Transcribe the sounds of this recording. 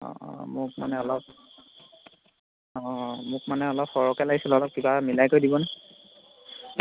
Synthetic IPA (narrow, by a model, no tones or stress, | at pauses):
ɔ̰mʊk̚ma̰nɛɔlɔp̚ | ɔ̃mʊk̚manɛɔlɔpxɔɹɔkɛlaɡisilɔlɔp̚kibamilajkojdibɔnɛ